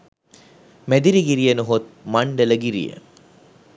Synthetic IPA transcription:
mæd̪iɾiɡiɾijənuɦot̪̚mɐɳɖələɡiɾḭjə̰

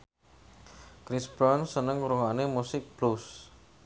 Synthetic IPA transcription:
kɾisbɾɔnsənəŋuɾuŋanemusɪk̚b̥lus

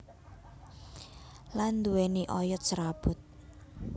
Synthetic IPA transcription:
land̪uweniʔɔjɔt̪̚t͡ʃəɾab̥ʊ̤t̪̚

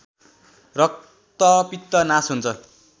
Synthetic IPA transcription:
rʌk̚ | t̪ʌpit̪ːʌnasɦunt͡sʰʌ

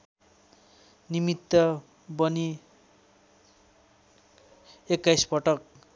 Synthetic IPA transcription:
nimit̪ːʌ | bʌni | ekːajsbʌʈʌk̚

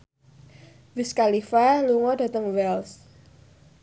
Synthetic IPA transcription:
wiskalifaluŋɔda̤t̪əŋwɛls

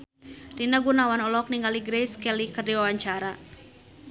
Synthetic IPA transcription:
rinaɡunawanɔlɔk̚niŋɡaliɡɾejskɛlikərdiwawaɲt͡ʃaɾa

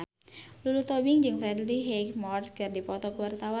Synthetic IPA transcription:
lulut̪ɔbiŋd͡ʒɨŋfɾɛdliɦekmɔrt̪̚kɨrdipɔt̪ɔkuwart̪awa

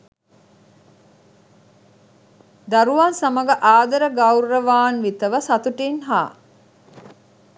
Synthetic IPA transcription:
d̪ɐɾuʋansɐməɡəʔaːd̪ɐɾəɡauɾːəʋaːnʋit̪əʋəsɐt̪uʈinɦaː

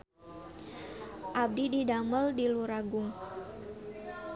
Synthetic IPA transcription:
ʔab̚dididaməldiluɾaɡʊŋ

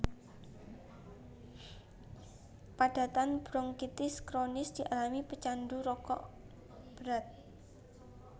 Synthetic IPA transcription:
paɖ̥a̤t̪anb̥ɾɔŋkit̪ɪskɾonɪsd̪̥i̤ʔalamipət͡ʃanɖuɾɔkɔ̰ʔ | b̥əɾat̪̚

